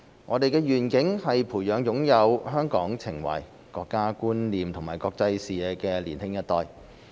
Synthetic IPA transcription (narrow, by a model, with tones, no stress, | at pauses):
ŋʔɔː˨˧d̪e˨jkɛː˧ɥyː˨˩nkɪ˨˥ŋhɐ˨jpʰuː˨˩jjœː˨˧ŋjʊ˨˥ŋjɐ˨˧wɦœː˥ŋkɔ̰ː˨˥ŋt͡sʰɪ˨˩ŋwɐ̰˨˩j | kɔː˧kːaː˥kuː˥nliː˨mt̪ʰʊ˨˩ŋmaː˨˩jkɔː˧k̚t͡sɐ˧jsiː˨˩jɛː˨˧kɛː˧liː˨˩nhɪ˥ŋjɐ˥t̪ːɔː˧j